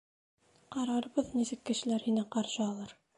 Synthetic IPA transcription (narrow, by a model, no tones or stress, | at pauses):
qɑɾɑɾbɤðnisɘkːɘ̆ʃɘ̆læɾhinæqɑɾʃɤɑlˠɤɾ